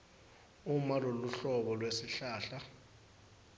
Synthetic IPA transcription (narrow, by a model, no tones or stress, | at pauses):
umaloluɬɔɓɔlwesiɬaːɬa